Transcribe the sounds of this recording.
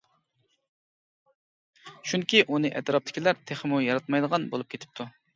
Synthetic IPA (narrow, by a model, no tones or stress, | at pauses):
ʃuŋkʲiʔunɨʔɛ̰t̪ɾɑp̚t̪ɪ̥kʲilæɾt̪ʰeχmujɑɾɑt̪̚mɑjd̪əʁɑnbolˠup̚kʲʰet̪ʰɪ̥p̚t̪ʰu